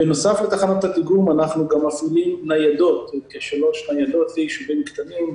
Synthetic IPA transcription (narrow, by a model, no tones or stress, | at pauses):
beno̞saflet̪aχanot̪at̪iɡumanaχnuɡamːafilimnajad̪o̞t̪keʃalo̞ʃnajad̪o̞t̪zejiʃuvimkt̪anim